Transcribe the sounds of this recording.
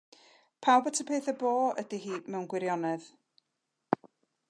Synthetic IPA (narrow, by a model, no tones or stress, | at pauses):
pʰawbətʰəpʰeːθəboːə̰diɦiːmɛwnɡwɪɾjɔnɛð